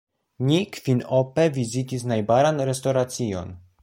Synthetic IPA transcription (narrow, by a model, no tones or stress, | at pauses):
nikfinopevizitis̬najbaɾanɾe̞sto̞ɾat͡sio̞̰n